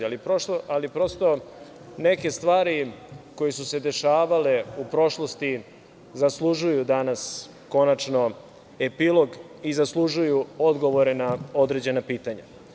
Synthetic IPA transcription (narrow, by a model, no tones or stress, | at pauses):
lipɾoʃoʔalipɾo̞st̪o̞ | neke̞st̪ʋaːɾiko̞jesuse̞d̪e̞ʃaːʋale̞upɾo̞ʃlo̞st̪i | zaslˠuʒujud̪anas | ko̞nat͡ʃno̞ | epilˠo̞ɡ | izaslˠuʒujuo̞d̪ɡo̞ʋo̞ɾenao̞d̪ɾe̞d͡ʑe̞napiːt̪aɲa